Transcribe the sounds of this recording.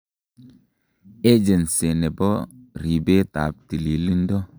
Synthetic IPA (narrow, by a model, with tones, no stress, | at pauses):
e˦d͡ʒe˨nse˨ne˨bɔ˦ɾi˨be˦ta̰˨p̚ti˨li˨li˦n˦dɔ˦